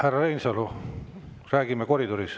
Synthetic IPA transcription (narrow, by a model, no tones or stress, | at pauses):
hærːɑrejnsɑlo | ræːɡimːekoɾid̪oɾis